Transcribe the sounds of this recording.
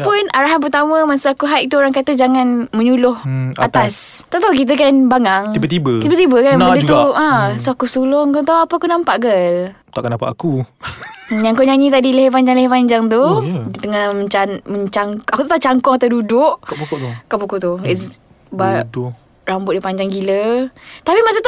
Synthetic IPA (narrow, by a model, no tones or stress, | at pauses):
pʊnʔaɾaɦanp̬ərt̪amə̃masəakuɦajʔ̚t̪uoɾaŋkat̪əd͡ʒaŋanmə̃ɲulʊhat̪ast̪aʔt̪auk̬it̪̬əkanbaŋaŋibət̪ibət̪ibət̪ibəkanpadət̪uʔãsoakusulʊŋkot̪awapəakunãmpaʔɡəl | t̪a̰ʔkənapa̰ʔaku | ɲaŋkuɲaɲit̪̬adiləɦepaɲd͡ʒaŋlɛhipaɲd͡ʒaŋt̪̬ut̪əŋaməanməɲt͡ʃaŋkʔakut̪t̪aʔt͡ʃaŋkɔŋat̪adudʊʔkpukuʔ̪ukapukuʔt̪uɪs | ba | rambʊʔ̪dipaɲd͡ʒaŋɡilət̪apimas̬at̪u